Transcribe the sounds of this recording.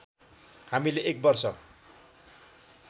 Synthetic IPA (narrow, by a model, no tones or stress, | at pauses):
hamileʔek̚bʌrsʌ